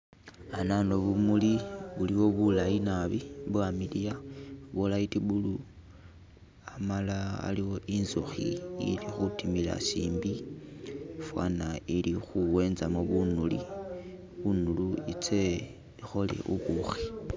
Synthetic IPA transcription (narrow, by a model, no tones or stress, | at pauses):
ananoβumuliβuliwo̞βulajinaβiβwamilijaβolaitiβulu | amalaa̰liwo̞ʔinzoxḭḭlixutimila̰sḭːmbi | fwa̰nailixuwe̞ːnzamoβunulḭ | βunuluit͡se | ixo̞lḛʔṵβuxi